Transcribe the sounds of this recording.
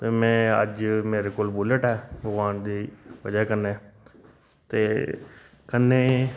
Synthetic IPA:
t̪eːmɛ̃ːə̰d͡ʒmeːɾeːkoːlbuləʈɦɛːbəɡʋaːnd̪iːʋəd͡ʒakənːeː | t̪eː | kənːeː

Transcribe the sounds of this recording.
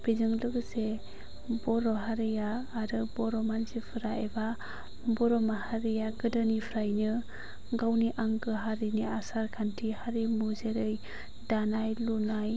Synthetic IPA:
pizɯŋlɯɡse | bɔɾɔɦaɾijaːɾɯbɔɾɔmanzipʰɯɾaeba | bɔɾɔmahaɾijaɡɯdɯnipʰɾajnɯ | ɡawniʔaŋɡɯɦaɾiniasaɾkʰantʰihaɾimuzeɾɯj | danajlunaj

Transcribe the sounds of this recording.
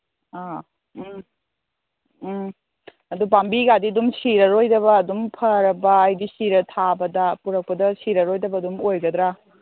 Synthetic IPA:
a | ɐdupambiɡadiɐdumsiɾɐɾojdɐbɐːdumpʰɐɾɐbɐːjdisiɾɐtʰabɐdɐpuɾɐk̚pɐdɐsiɾɐɾojdɐbɐːdumojɡɐdɾa

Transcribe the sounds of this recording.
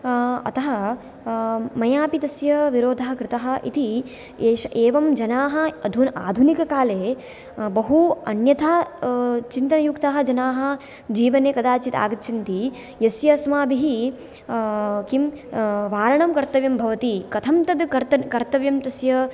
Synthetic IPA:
ɐ̰t̪ɐɦɐ | mɐjaːpit̪ɐsjɐʋiɾoːd̪ʱɐɦɐ̆kɾɪt̪ɐɦɐ̆ʔḭt̪i | eːʃɐʔeːʋɐmd͡ʒɐnaːɦɐ̆ɐd̪ʱuna̰ːd̪ʱunikɐkaːleː | bɐɦuɐ̰njɐt̪ʰaː | t͡ʃint̪ɐnɐjukt̪aːɦɐ̆d͡ʒɐnaːɦɐ̆ | d͡ʒiːʋɐneːkɐd̪aːt͡ʃit̪a̰ːɡɐt̪t͡ʃʰint̪i | jɐsjɐsmaːbiɦi | kimʋaːɾɐɳɐmkɐɾt̪ɐʋjɐmbʱɐʋɐt̪ikɐt̪ʰɐmt̪ɐd̪kɐɾt̪ɐkɐɾt̪ɐʋjɐmt̪ɐsjɐ

